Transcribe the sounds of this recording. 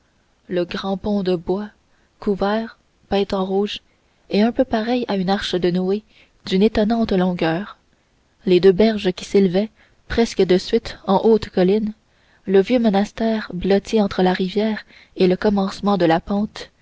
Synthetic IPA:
ləɡʁɑ̃pɔ̃d̪əbwa | kuvɛːʁ | pɛ̃t̪ɑ̃ʁuːʒ | eɛ̃pøpaʁɛjaynaʁʃəd̪ənue | d̪ynet̪ɔnɑ̃t̪lɔ̃ɡʲœːʁ | led̪øːbɛʁʒəkʲi̥seləvɛ | pχɛskəd̪əsɥɪt̪ɑ̃ʔoːt̪kɔlɪn | ləvjømɔnast̪ɛːʁblɔt̪ʰiɑ̃t̪χəlaʁivjɛːʁ | eləkɔmɑ̃smɑ̃d̪əlapɑ̃ːt̪

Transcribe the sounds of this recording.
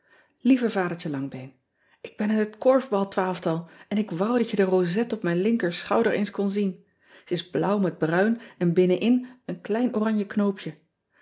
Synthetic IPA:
livəvaːdəɹt͡ʃəlɑŋbɛjn | ʔɪɡ̚bɛnɪnətkɔɹvbɑlˠtʋaːlˠəftɑlˠɛnɪkʋʌwdɑtjədərowzɛtɔpmɛjnlɪŋkəɹsχɑwdəɹḛjnskɔnzin | səɪzblʌwmɛd̚brœɥnɛnbɪnənʔɪnənklɛjnʔorɑɲjəknowpʰjə

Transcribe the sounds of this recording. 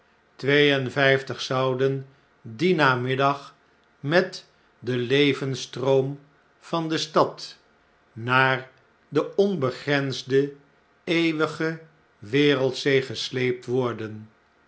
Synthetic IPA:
tʋejənvɛjftəχsʌwdən | dinaːmɪdɑχ | mɛt | dəlejvənstrom | v̥ɑndəstɑt | naːɹ | dəɔnbəχrɛnzdə | ejʋəχə | ʋɪːrəlˠtsejχəslejp̚tʋɔɹdən

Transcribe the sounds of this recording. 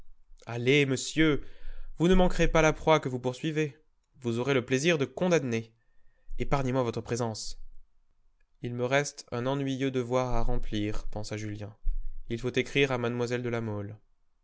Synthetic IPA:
aleməsjøvunəmɑ̃kʁepalapχwakəvupuʁsɥive | vuzɔʁeləpleziʁd̪əkɔ̃d̪ane | epaʁɲemwavɔt̪χəpχezɑ̃s | ilməʁɛst̪ɛ̃nɑ̃nɥijød̪əvwaʁaʁɑ̃pliʁpɑ̃saʒyljɛ̃ilfot̪ekχiʁamad̪mwazɛld̪əlamɔl

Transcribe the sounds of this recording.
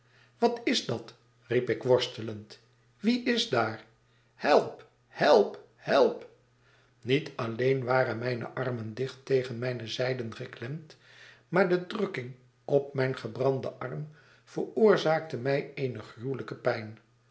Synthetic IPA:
ʋɑtɪzdɑt | ripɪkʋɔɹstələnt | ʋiʔɪzdaːɹ | hɛlˠp | hɛlˠp | hɛlˠp | nitɑlejnʋaːrənmɛjnə̰ʔɑrməndɪχtejχənmɛjnəzɛjdənχəklɛmt | maːɹdədrɵkɪŋ | ɔp̚mɛjnχəbrɑndəʔɑrm | v̥əɹʊːɹzaːk̚təmɛjejnəχruləkəpɛjn

